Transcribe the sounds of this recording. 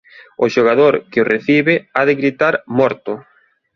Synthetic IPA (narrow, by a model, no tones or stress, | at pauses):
ʊʃoɣaðoɾkɪorʔeθiβɪaðɪɣɾit̪aɾmɔɾt̪ʊ